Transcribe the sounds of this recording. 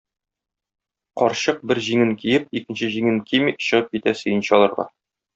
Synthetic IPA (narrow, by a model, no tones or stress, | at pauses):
qɒɾɕɤq̚bɘɾʑiŋɘŋkijɘp̚ikɘ̆nɕɘʑiŋɘŋkimiɕɤ̆ʁɤp̚kit̪æsɵ̆jɤ̆nɕɒlˠɤ̆ɾʁɑ̰